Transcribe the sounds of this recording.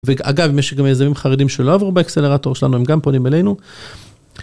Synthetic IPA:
vea̰ɡavimjeɛʃɡamjejzamimχaʁedimʃelo̞avʁubaeksele̞ʁato̞ʁʃela̰nuemɡamponimelejnu

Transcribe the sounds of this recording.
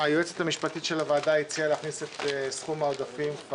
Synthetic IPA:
ajoet͡set̪hamiʃpat̪it̪ʃe̞lavaːd̪ait͡sialeaχniset̪esχumaod̪afimk

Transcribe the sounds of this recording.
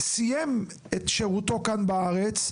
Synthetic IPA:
sijem | et̪ʃeʁut̪o̞kanbaaʁet͡s

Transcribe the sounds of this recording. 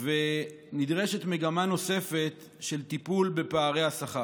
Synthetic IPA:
ve | nid̪ʁe̞ʃe̞tme̞ɡamano̞se̞fe̞t | ʃe̞lt̪ipulbe̞paːʁe̞jasaχa

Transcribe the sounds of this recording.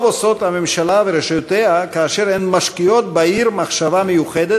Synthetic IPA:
voso̞t̪hamemʃalaveɾeʃajot̪ehakaːʃeɾenmaʃkio̞t̪̚baiɾmaχʃavamejuχed̪e

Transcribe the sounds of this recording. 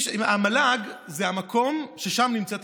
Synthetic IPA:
amalaɡzehamakʰo̞mʃe̞ʃamnimt͡sɛt̪

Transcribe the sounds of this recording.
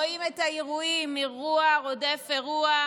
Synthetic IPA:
oimethaiʁuimiʁuaʁodefeʁua

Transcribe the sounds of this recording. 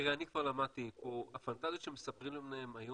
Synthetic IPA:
eʁeanikvaʁlamad̚t̪ipoafant̪azijotʃemesapʁimlemneemajo

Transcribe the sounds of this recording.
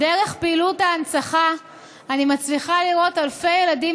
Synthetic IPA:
deʁe̞χpeːlutaːnsaχaː | nimat͡sliχaliʁo̞talfe̞jeladim

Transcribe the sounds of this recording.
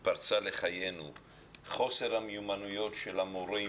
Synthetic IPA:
paʁt͡sale̞χaje̞nu | χo̞se̞ʁhameumanujo̞tʃelamoʁe

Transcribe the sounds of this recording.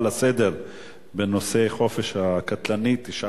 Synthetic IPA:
lased̪e̞ʁ | beno̞se̞χo̞feʃhakat̪lanit̪iʃa

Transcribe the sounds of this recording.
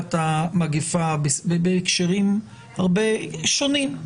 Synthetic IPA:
tamaɡifabesbebeːkʃeʁim | haʁbeʃonim

